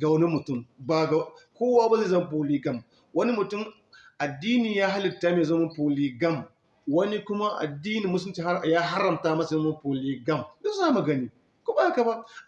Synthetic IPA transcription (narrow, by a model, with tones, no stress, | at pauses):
ɡa˨wɐ˦ni˦mʊ˨tʊ˦˨mba˨ɡa˨kʷoː˦waː˦ba˦ze˦˨zɐ˦m˦p̬oː˨liː˦ɡɐ˦m | wɐ˦ni˦mʊ˨tʊ˦m | ʔa˨dːiː˦niː˨jaː˦ɦa˦lɪ˨tːaː˦meː˨zɐ˦mɐ˦mpoː˨liː˨ɡɐ˦˨m | wɐ˦ni˦kʷʊ˦ma˦ʔa̰˨dːiː˦niː˨mʊ˦s̬lɪ˦t͡ʃi˨˦jaː˦ɦa˦ɾɐ˨mtaː˦mɐ˦sa˨zɐː˦mɐ˦mpoː˨liː˦ɡɐ˦mdʊ˦saː˦˨mɐ˨ɡɐ˦ni˦ | kʷo˦ba˦˨ka˨ba˦